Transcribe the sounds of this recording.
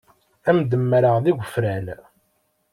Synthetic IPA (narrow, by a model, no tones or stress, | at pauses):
æmd̪əmːɾəʁðiɡʷəfɾæn